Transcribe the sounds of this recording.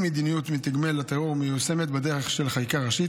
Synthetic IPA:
med̪inijut̪mit̪iɡmelat̪eoʁmejuse̞met̪bed̪eʁeχʃelχajkaʁaʃi

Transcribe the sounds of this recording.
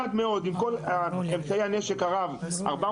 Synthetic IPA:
ad̪me̞o̞d̪imko̞laemt͡saiane̞ʃe̞kaʁava̰ʁba

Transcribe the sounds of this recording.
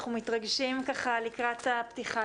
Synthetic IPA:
χumit̪ʁaɡʃimkaχalikʁat̪aptiχa

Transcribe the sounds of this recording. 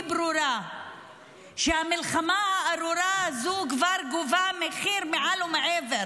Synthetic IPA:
bɾuɾa | ʃehamilχamaaaɾuɾazukvaɾɡuvameχiɾmeʕalumeʕeveɾ

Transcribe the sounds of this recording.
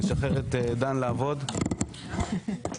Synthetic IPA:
eʃaχeʁet̪d̪anlaːvo̞d̪

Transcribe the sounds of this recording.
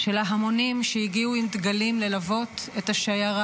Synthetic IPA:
ʃe̞laɦamo̞nimʃejiɡiuimt̪ɡalimle̞lavo̞t̪et̪aʃajaʁa

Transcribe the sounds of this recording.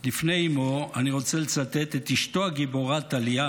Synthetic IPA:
lifneimoaniʁo̞t͡selet͡sat̪et̪et̪iʃto̞aɡiboʁat̪alia

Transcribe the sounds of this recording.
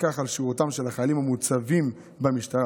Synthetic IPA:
kaχalʃiʁutamʃelaχajalimhamut͡savim | bemiʃtaʁ

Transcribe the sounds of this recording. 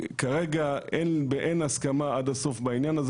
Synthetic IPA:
kaʁeɡaʔenbeʔenaskamaadaso̞fbainjanaz

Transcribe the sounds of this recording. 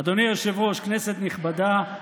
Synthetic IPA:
ad̪onijoʃevʁo̞ʃkneset̪niχbad̪a

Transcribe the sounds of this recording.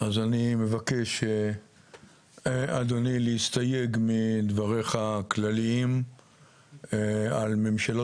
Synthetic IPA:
azanime̞vake̞ʃe | ad̪onileist̪aje̞ɡmid̪vaʁeχaklaliim | alme̞mʃalo

